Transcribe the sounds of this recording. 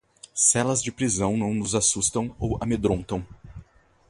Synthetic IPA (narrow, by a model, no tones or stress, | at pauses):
sɛlɐzd͡ʒɪpɾizɐ̃w̃nɐ̃w̃nʊzasust̪ɐ̃w̃owamed̪ɾõnt̪ɐ̃w̃